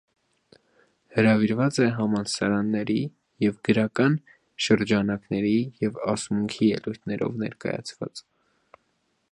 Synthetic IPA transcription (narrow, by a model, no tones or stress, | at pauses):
həɾɑviɾvɑt͡sɛɦɑmɑnsɑɾɑnːɛɾi | jɛvɡəɾɑkɑn | ʃəɾd͡ʒɑnɑknɛɾijɛvɑsmuŋkʰijɛlujt̪ʰnɛɾɔ̰vnɛ̰ɾkɑ̰jɑ̰t͡sʰvɑ̰t͡s